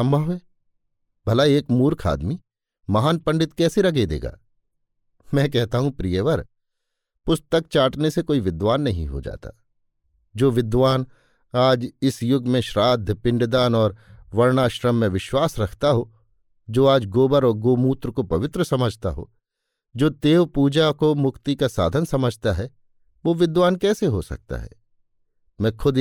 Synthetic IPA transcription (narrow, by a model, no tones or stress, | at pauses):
sɐ̃mbʱəʋeː | bʱɐlaeːkmuːɾkʰa̰ːd̪mi | mɐɦaːnpɐ̃ɳɖɪt̪kɛːseɾɐɡed̪ḛːɡa̰ː | mɛ̃ːkɛɦt̪aɦũpɾijəʋəɾ | pʊst̪ək̚t͡ʃaːʈnesekoːiʋɪd̪ʋaːnːɐɦḭ̃ɦo̰d͡ʒa̰ːt̪a̰ː | d͡ʒoːʋɪd̪ʋaːn | aːd͡ʒɪsjʊɡmẽʃɾaːd̪ʱəpɪ̃ɳɖd̪aːnɔːɾʋɐɾnaːʃɾəmːẽʋɪʃwaːsɾɐkʰt̪aɦo | d͡ʒoːaːd͡ʒɡoːbəɾɔːɾɡoːmuːt̪ɾəkopɐʋɪt̪ɾəsɐməd͡ʒʱt̪a̰ɦo̰ː | d͡ʒoːt̪eːʋpuːd͡ʒakomʊkt̪ikasa̰ːd̪ʱənsɐməd͡ʒʱt̪aɦɛ | ʋoːʋɪd̪ʋaːnkɛːseɦosɐ̰k̚t̪a̰ɦɛ̰ː | mɛ̃ːkʰʊd̪